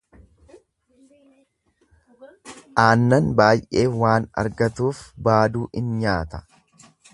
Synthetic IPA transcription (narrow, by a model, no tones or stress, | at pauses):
ʔaːnːɐnbaːjʔʔe̞ːwaːnɐ̰ɾɡɐt̪uːfbaːd̪uːʔɪnɲaːt̪ɐ̥